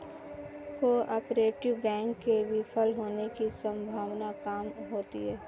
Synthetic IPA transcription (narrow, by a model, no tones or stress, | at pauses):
ʋoʔapɾeːʈɪʋbɛ̃ːŋkːebipʰəlɦoːnekisɐ̃mbʱaːʋnakaːmɦoːt̪iɦɛː